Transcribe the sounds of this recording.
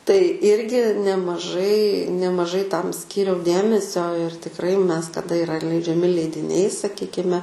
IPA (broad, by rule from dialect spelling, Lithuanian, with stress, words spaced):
tɐɪ ˈɪrʲɡʲɪ nʲɛmɐˈʒɐɪ nʲɛmɐˈʒɐɪ ˈtɐm ˈsʲkʲiːrʲɛʊ ˈdʲeːmʲɛsʲoː ɪr tʲɪkˈrɐɪ ˈmʲɛs tɐˈdɐ ɪˈrɐ lʲɛɪd͡ʒʲɛˈmʲɪ lʲɛɪdʲɪˈnʲɛɪ sɐˈkʲiːkʲɪmʲɛ